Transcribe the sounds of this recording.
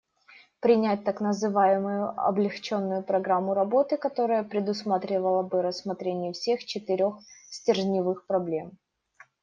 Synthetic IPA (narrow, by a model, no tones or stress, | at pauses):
pɾʲɪnʲæt̚ʲt̪aknəzɨvajɪmʊjʊɐ̰blʲɪxt͡ɕo̞nːʊjʊpɾɐɡɾamːʊɾɐbo̞t̪ɨkɐt̪o̞ɾəjəpɾʲɪd̪ʊsmat̪ɾʲɪvəlˠəbɨɾəsːmɐt̪ɾʲenʲɪjəfsʲe̞xt͡ɕɪt̪ɨɾʲo̞xsʲtʲɪrʒnʲɪvɨxpɾɐblʲe̞m